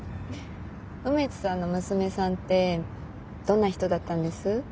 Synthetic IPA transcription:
ɯ̟met͡sɨ̥sano̞mɯ̟sɨme̞sãnt̪ːe̞ | d̪̥õ̞nːaçi̥t̪o̞d̪at̪ːãnd̪e̞sɨ

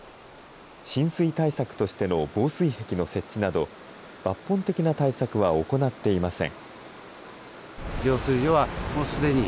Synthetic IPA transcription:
ɕĩɰ̃sɨit̪aisakɯ̟̥t̪o̞ɕi̥t̪e̞no̞bo̞ːsɨihe̞kʲino̞se̞tt͡ɕt͡ɕːinad̪o̞ | b̥apːõ̞nt̪e̞kʲinat̪aisakɯ̟βao̞ko̞nat̪ːe̞imasẽ̞̰ŋ | d͡ʑo̞ːsɨijoβamoːsɨd̪e̞ɲ̟i

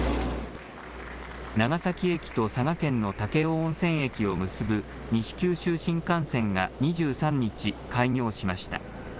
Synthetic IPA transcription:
naɡasakʲie̞kʲi̥t̪o̞saɡakẽ̞nːo̞t̪ake̞õːsẽ̞ɰ̃e̞kʲio̞mɯ̟sɨbɯ̟ | ɲ̟iɕi̥kʲɨːɕɨːɕĩŋkãɰ̃sẽ̞ŋɡaɲ̟iʑɨːsãɲ̟ːit͡ɕikaiɲʲo̞ːɕimaɕi̥t̪a̰

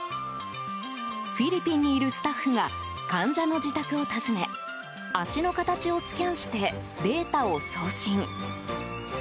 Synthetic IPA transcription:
ɸʲiɾʲipʲĩɲ̟ːiːɾɯ̟sɨ̥t̪aɸːɯ̟ŋa | kãɲd͡ʑano̞d͡ʑit̪akɯ̟o̞t̪azɨne̞ | aɕino̞kat̪at͡ɕio̞sɨ̥kʲãɰ̃ɕi̥t̪e̞ | d̪e̞ːt̪ao̞so̞ːɕĩŋ

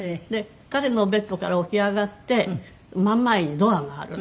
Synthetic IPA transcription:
d̪e̞ | kaɾe̞no̞be̞t̪ːo̞kaɾaoçiaɡat̪ːe̞ | mãmːaiɲ̟id̪o̞aɡa̰ːɾɯ̟

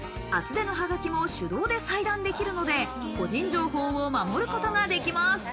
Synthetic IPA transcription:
at͡sɨd̪e̞no̞ɦaɡakʲimo̞ɕɨd̪o̞ːd̪e̞said̪ãnd̪e̞kʲiɾɯ̟no̞d̪e̞ | ko̞ʑĩɲ̟d͡ʑo̞ːɦo̞ːomamo̞ɾɯ̟ko̞t̪o̞ɡad̪e̞kʲimasɨ̥

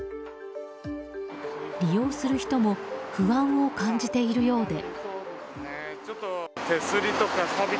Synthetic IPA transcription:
ɾʲijo̞ːsɨɾɯ̟çi̥t̪o̞mo̞ɸɯ̟βãɰ̃o̞kãɲd͡ʑit̪e̞iɾɯ̟jo̞ːd̪e̞d̪esnet͡ɕot̪ːot̪e̞sɨɾʲit̪okaabʲi

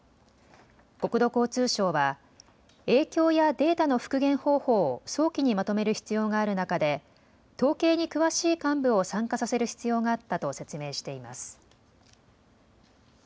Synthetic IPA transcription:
ko̞kɯ̟d̪o̞ko̞ːt͡sɨːɕo̞ːβa | e̞ːkʲo̞ːjad̪e̞ːt̪ano̞ɸɯ̟̥kɯ̟ɡẽ̞ɰ̃ho̞ːho̞ːso̞ːkʲiɲ̟imat̪o̞me̞ɾɯ̟çi̥t͡sɨjo̞ːɡaːɾɯ̟nakad̪e̞ | t̪o̞ːke̞ːɲ̟ikɯ̟βaɕiːkãmbɯ̟o̞sãŋkasase̞ɾɯ̟çi̥t͡sɨjo̞ːɡaːt̪ːat̪o̞se̞t͡sɨme̞ːɕi̥t̪e̞ima̰sɨ̥

